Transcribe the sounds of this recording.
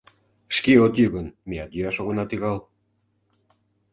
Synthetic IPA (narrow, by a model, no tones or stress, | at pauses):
ʃkiot̪jyɣənmijɑt̪jyɑʃoɣonɑt̪iɣɑl